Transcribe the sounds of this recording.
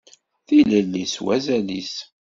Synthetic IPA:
θiləlːiswæzælis

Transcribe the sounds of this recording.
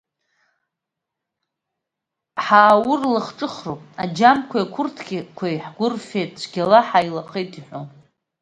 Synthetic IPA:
ħaːwʊrlɨχʈ͡ʂʼɨχropʼad͡ʒamkʷʰajkʷʰʊrtʰɡʲikʷʰajħɡʷʊrfejtʰt͡ʃʷʰɡʲalaħajlaχʼejtʰʼiħʷon

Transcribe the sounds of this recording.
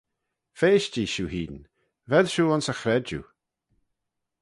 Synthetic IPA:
feːʃd͡ʒiːʃuːhiːn | vɛlʃuːʊnsəxɾɛd͡ʒṵ

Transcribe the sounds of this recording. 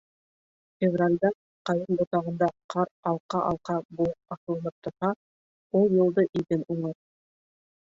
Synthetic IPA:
fʲɪvralʲd̪ɑ | qɑjɤnbŏt̪ɑʁɤ̆nd̪ɑqʰɑɾɑlˠqɑʔɑ̰lˠqɑbuɤpɑʃɤ̆lˠɤ̆nɤp̚t̪ɤ̆ɑ | ulˠjɤ̆lˠd̪ɤʔiðɘnuɴɤɾ

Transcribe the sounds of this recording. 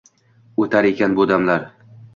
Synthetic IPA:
ot̪ʰaɾe̞kʲʰanbʊd̪amlaɾ

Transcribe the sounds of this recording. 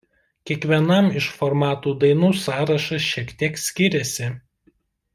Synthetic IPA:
kʲiɛkʋʲiɛnɐmɪʃfɔɾmɑːt̪uːd̪ɐɪnuːsɑːɾɐʃɐʃʲiɛkt̪ʲiɛksʲkʲɪɾʲɛsʲɪ

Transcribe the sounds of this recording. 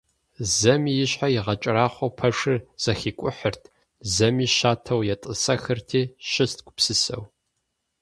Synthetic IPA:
zɐmijɪɕħajɪʁɐt͡ʃʼɪɾaːχʷɐwpʰɐʂɨz̥ɐxiːkʷʼʊħərtʰ | zɐmiːʃaːtʰɐwjɛtʼɨsɐxɨrtʰiːʃɪst̚ɡʷʼʊpsɨsɐ̰w

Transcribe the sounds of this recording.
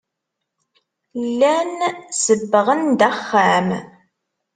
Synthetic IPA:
lːænsəbːəʁənd̪æχːæm

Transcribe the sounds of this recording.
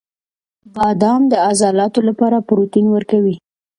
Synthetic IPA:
bɑd̪ɑmd̪əazɑlɑt̪olapɑɾapɾot̪inwəɾkawi

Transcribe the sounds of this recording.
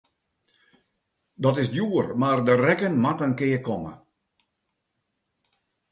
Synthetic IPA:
dɔtɪsdjuərmardərɛkənmatənkɪːəkɔmə̰

